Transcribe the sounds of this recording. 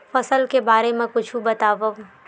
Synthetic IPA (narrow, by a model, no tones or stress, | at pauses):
fɐsəlkebaːɾemẽkʊt͡ʃʰũbɐt̪aːʋə